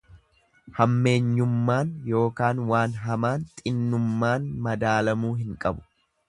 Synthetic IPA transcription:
hɐmːe̞ːɲːʊmːaːnjo̞ːkaːnwaːnɦɐmaːnt̪ʼɪnːʊmːaːnmɐd̪aːlɐmuːɦɪŋkʼɐbʊ̥

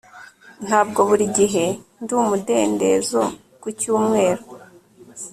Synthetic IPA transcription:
n̥haːbɡo̞βuɾiɟiɦe̞nduːmude̞ːnde̞̰zo | kucuːmŋe̞ːɾo

